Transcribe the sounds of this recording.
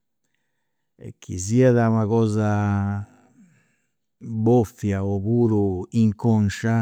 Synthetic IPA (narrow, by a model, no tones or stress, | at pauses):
ɛ̰k̟ʰːḭziaðaumaɣɔːza | bɔfjaɔkuɾuiŋkɔnʃa